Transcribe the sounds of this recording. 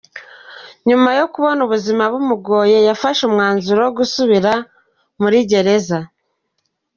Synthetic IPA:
ɲumajo̞kuβo̞nuβuzimaβumuɡo̞ːje̞jafaʃumŋaːnzuɾoɡusuβiɾa | muɾiɟe̞ɾe̞za

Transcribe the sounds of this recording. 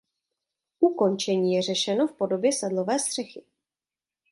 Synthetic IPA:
ʔuko̞nt͡ʃɛɲiːjɛrɛʃɛno̞fpo̞do̞bjɛsɛdlo̞vɛːst̪r̝̥ɛxɪ

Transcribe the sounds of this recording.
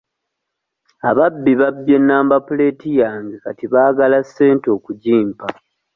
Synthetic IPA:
aβabːiβabːjenːaːmbapule̞ːtijaːŋɡekatiβaːɡalasːe̞ːnto̞ːkuɟiːmpa

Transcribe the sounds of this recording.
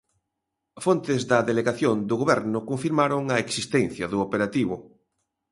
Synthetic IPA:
font̪ɪzðɐðeleɣaθjond̪ʊɣoβɛɾnʊkoɱfiɾmaɾoŋɐeksist̪ɛnθjɐðʊopeɾat̪iβʊ

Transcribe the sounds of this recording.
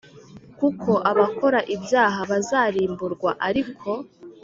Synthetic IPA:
kukʰo̞ʔaβako̞ɾaʔibjaːɦaβazaːɾiːmbuɾɡwaʔaɾikʰo̞

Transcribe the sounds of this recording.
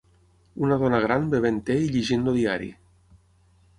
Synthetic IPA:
unaðɔnəɣɾanbeβent̪eiʎiʒindoðiaɾḭ

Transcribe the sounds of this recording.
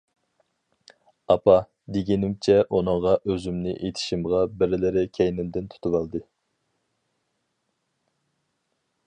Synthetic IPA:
ɑpʰɑ | d̪eɡʲinɪmt͡ʃʰɛʔunɨŋʁɑʔøzymnɪ̰ʔet̪ʰɪ̥ʃimʁɑbɪɾɪlɪɾɪkʲʰɛjnɪmd̪ɪnt̪ʰu̥t̪ʰuwɑlˠd̪ɨ

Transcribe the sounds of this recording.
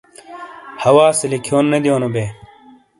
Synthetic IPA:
hɐwaːsɐlikʰioːnːɐd̪ijoːnobeː

